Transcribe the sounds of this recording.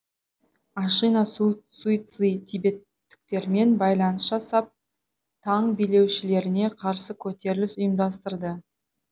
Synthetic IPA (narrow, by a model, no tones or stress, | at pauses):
ɑʃinɑsuit̪sit̪ʰibe̞t̪ːɪ̥k̚t̪e̞ɾme̞nbɑjlˠɑnəsʒ̥ɑsɑp̚ | t̪ʰɑɴbijle̞wʃɪle̞ɾɪne̞qʰɑɾsəkʲʰɵt̪e̞ɾlɪsʊjəmd̪ɑst̪əɾd̪ə